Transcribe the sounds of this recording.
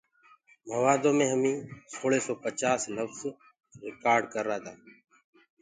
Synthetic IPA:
məʋaːd̪õːmẽːɦəmĩːsoːɭeːsɔːpət͡ʃaːsləfz | ɾɪkaːɾɖkəɾːaːt̪ʰaː

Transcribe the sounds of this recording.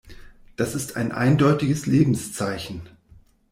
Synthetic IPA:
d̥asɪstʰa̰ɪnʔa̰ɪndɔʏtɪɡəsleːbm̩st͡saɪçn̩

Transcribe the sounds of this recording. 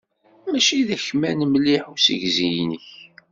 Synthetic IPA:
mæʃiðæçmænmliħusə̰ʝzijnəç

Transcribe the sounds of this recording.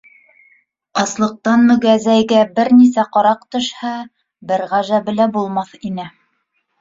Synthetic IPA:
ɑslˠɤ̆q̚t̪ɑnmɵ̆ɡæzæjɡæbɘɾnisæqɑɾɑqt̪ɵ̆ʃhɑ | bɘɾʁæʒæbɘ̆læbulˠmɑθinɘ

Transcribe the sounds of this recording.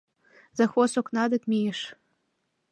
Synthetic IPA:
zɑxosoknɑd̪ə̆kmijeʃ

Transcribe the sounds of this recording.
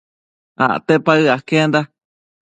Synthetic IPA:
a̰ʔt̪epaɨakend̪a

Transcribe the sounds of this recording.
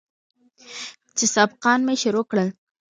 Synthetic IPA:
t͡ʃesɑb̚qɑnmeʃʊɾokɽəl

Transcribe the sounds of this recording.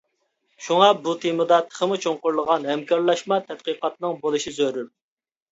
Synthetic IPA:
ʃuŋɑbut̪ʰemɨd̪ɑt̪ʰːə̥χʰəmut͡ʃʰoŋqʊɾlˠəʁɑnhɛmkʰɑɾlˠɑʃmɑt̪ʰɛt̪̚qəqɑt̪nɨŋbolˠɨʃizøɾyp̚

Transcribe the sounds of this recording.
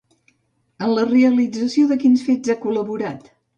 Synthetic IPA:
ənləreəlid͡zəsioðəkinsfezakuləβuɾat̪

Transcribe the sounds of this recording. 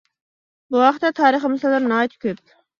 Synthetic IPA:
buwɑqχt̪ːɛt̪ʰɑːɾəχəmɨsɑlˠd̪ɨɾnɑjt̪ʰkʲøp̚

